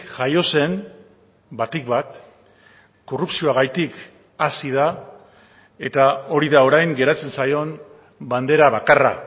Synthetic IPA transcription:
ʝajo̞se̞m | bat̪ikβat̪ | ko̞rupsio̞aɣ̞ajt̪ik | asiða | e̞t̪ao̞ɾiðao̞ɾajŋɡe̞ɾat͡se̞nsajo̞n | band̪e̞ɾaβakara̰

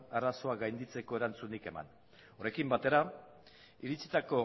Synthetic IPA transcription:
araso̞aɡajnd̪it͡se̞ko̞e̞ɾant͡sunike̞ma̰n | o̞ɾe̞kimbat̪e̞ɾa | iɾit͡sit̪ako̞

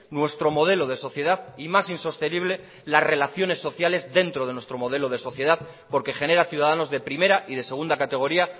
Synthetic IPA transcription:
nwe̞st̪ɾo̞mo̞ð̞e̞lo̞ð̞e̞so̞θje̞ð̞aðimasinso̞st̪e̞niβ̞le̞ | lasre̞laθjo̞ne̞sːo̞θjale̞zðe̞nt̪ɾo̞ð̞e̞nwest̪ɾo̞mo̞ðe̞lo̞ð̞e̞so̞θje̞ð̞aðpo̞ɾke̞xe̞ne̞ɾaθjuðaðano̞zðe̞pɾime̞ɾaʔiðe̞se̞ɣ̞und̪akat̪e̞ɣ̞o̞ɾia

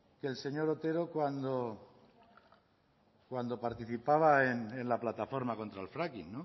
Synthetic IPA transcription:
kelse̞ɲo̞ɾot̪e̞ɾokwand̪o | kwand̪o̞paɾt̪iθipaβaenenlaplat̪afo̞ɾmako̞nt̪ɾaelfɾakinːõ

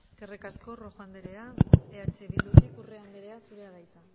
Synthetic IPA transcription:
kerekaskoroɣand̪eɾeaeat͡ʃeβilut̪ikureand̪eɾeasuɾeaɣajt͡s̪a

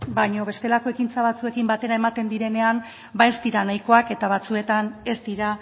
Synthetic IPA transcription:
bajɲo̞βe̞st̪e̞lako̞e̞kint͡saβat͡sue̞kimbat̪e̞ɾae̞mat̪e̞nd̪iɾe̞ne̞am | bae̞st̪iɾanajko̞ake̞t̪aβ̞at͡sue̞t̪ane̞sd̪iɾa

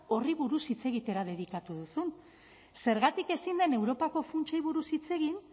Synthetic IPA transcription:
o̞riβuɾusit͡se̞ɣit̪e̞ɾað̞e̞βikat̪uðusun | se̞ɾɣat̪ike̞sind̪e̞ne̞wɾo̞pako̞funt͡ʃajβuɾusit͡se̞ɣin

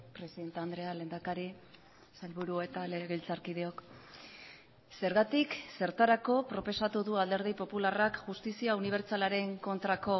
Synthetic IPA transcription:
pɾe̞siðe̞nt̪eand̪ɾe̞ale̞ːnd̪akaɾi | salβuɾuet̪aleɣilt͡saɾkið̞eo̞k | se̞ɾɣat̪ikse̞ɾt̪aɾako̞pɾo̞po̞sat̪uðuald̪e̞ɾð̞ijpo̞pularakʝust̪isiauniβ̞e̞ɾt͡salaɾe̞ŋko̞nt̪ɾako̞

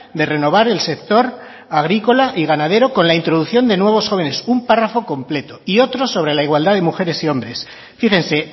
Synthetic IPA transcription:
d̪e̞re̞no̞β̞aɾe̞lse̞k̚t̪o̞ɾ | aɣ̞ɾiko̞laʔiɣ̞anaðe̞ɾo̞ko̞nlaint̪ɾo̞ð̞uθjo̞nd̪e̞nwe̞β̞o̞sxo̞β̞e̞ne̞sumparafo̞ko̞mple̞t̪oio̞t̪ɾo̞so̞β̞ɾe̞laiɣwald̪aðe̞muxe̞ɾe̞sio̞mbɾe̞s | fixe̞nse̞

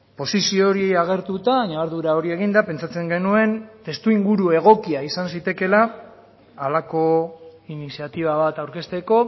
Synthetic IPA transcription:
po̞sisio̞ːɾiejaɣ̞e̞ɾt̪ut̪aɲaaɾðuɾao̞ɾie̞ɣind̪ape̞nt͡sat͡se̞ŋɡe̞nue̞nt̪e̞st̪uiŋɡuɾue̞ɣ̞o̞kiaisansit̪e̞ke̞laː | lako̞inisiat̪iβ̞aβ̞at̪awɾke̞st̪e̞ko̞

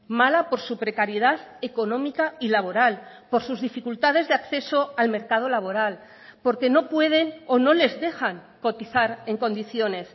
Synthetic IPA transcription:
malapo̞ɾsupɾe̞kaɾjeðaðe̞ko̞nõ̞mikailaβ̞o̞ɾal | po̞ɾsuzðifikult̪að̞e̞zðeakθe̞so̞alme̞ɾkað̞o̞laβ̞o̞ɾal | po̞ɾke̞no̞pwe̞ð̞e̞no̞no̞le̞zðe̞xaŋ | ko̞t̪iθaɾe̞ŋko̞nd̪iθjo̞ne̞s

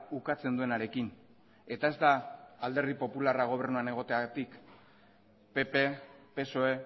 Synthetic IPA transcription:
ukat͡se̞nd̪ue̞naɾe̞kin | e̞t̪ae̞zd̪aːld̪e̞ɾðipo̞pularaɣ̞o̞β̞e̞rnuane̞ɣ̞o̞t̪e̞at̪ik | pe̞pepe̞so̞e̞

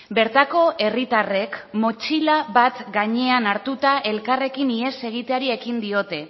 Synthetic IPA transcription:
be̞ɾt̪ako̞ʔe̞rit̪are̞kmo̞t͡ʃilaβat̪ɡaɲe̞anaɾt̪ut̪aʔe̞lkare̞kinie̞se̞ɣ̞it̪eaɾie̞kind̪io̞t̪e̞

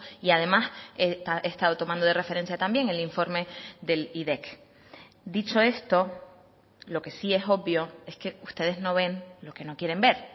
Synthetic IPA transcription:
iað̞e̞maseest̪að̞o̞t̪o̞mãnd̪o̞ðere̞fe̞ɾe̞nsjat̪ambje̞ŋeliɱfo̞ɾme̞ðe̞liðe̞k | d̪it͡ʃo̞e̞st̪o̞ | lo̞ke̞sie̞so̞bjo̞e̞ske̞ust̪e̞ð̞e̞zno̞β̞e̞nlo̞ke̞no̞kje̞ɾe̞mbe̞ɾ

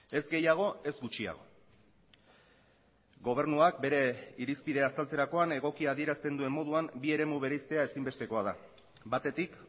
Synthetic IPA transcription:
e̞zɡe̞jaɣ̞o̞e̞zɡut͡ʃia̰ɣ̞o̞̰ | ɡo̞β̞e̞ɾnuak̚be̞ɾe̞iɾispiðe̞ast̪alt͡seɾako̞ane̞ɣ̞o̞kiaðie̞ɾast̪e̞nd̪ue̞mːo̞ðuambie̞ɾe̞muβ̞e̞ɾejst̪e̞ae̞simbe̞st̪e̞ko̞aða̰ | bat̪e̞t̪ik

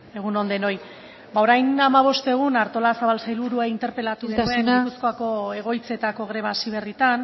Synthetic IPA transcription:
e̞ɣ̞uno̞nd̪e̞no̞j | bao̞ɾajnamaβ̞o̞st̪e̞ɣ̞unaɾt̪o̞lasaβalsajlβuɾuaint̪e̞ɾpe̞lat̪uɣeauenɾuskoako̞e̞ɣ̞o̞jt͡se̞t̪ako̞ɣ̞ɾe̞β̞asiβ̞e̞rit̪an

